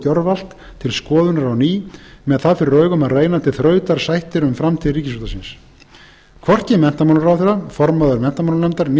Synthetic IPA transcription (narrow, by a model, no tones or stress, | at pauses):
cœɾval̥t̪ | t̪ʰːɪlskɔːðʏnaɾawniːmɛðθaðfɪɾɪɾœːɥɣʏmaðreːjnat̪ʰɪlθɾœːɥt̪aɾ̥sajht̪ɪɾʏmfɾamt̪ʰɪlriːcɪsuːt̪asɪns | kʰvɔr̥t̪cɪmɛn̥t̪amawlʏɾawθɛɾafɔɾmaðʏɾmɛn̥t̪amawllɛmt̪aɾn